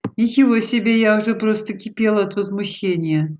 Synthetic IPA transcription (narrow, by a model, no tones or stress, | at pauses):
nʲɪt͡ɕɪvosʲɪbʲejaʊʐɛpɾost̪əkʲɪpʲelˠəɐt̪vəzmʊɕːenʲɪjə